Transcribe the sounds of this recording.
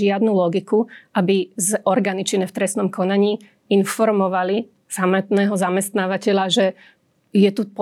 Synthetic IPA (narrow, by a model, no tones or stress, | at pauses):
ɪad̪nulɔɡikuʔabizɔɾɡaːnit͡ʃinɛft̪ɾɛsnɔmkɔnaɲiː | infɔɾmɔʋali | samɛt̪nɛːɦɔzamɛst̪naːʋacɛʎaʒɛ | jɛt̪up